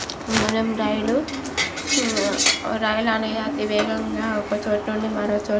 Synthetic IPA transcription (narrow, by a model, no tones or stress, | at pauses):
unemɾɐjulu | ɾɐjulɐnɐjɐt̪iʋɛːɡɐŋɡaːɔkɐt͡ʃoːʈnuɳɖimɐɾoːt͡ʃoː